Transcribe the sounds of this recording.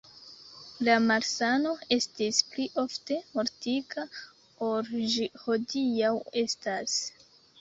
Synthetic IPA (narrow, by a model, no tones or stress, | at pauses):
lamaɾsano̞e̞stispliʔo̞fte̞mo̞ɾtikʰa | poɾʒiho̞diawe̞stas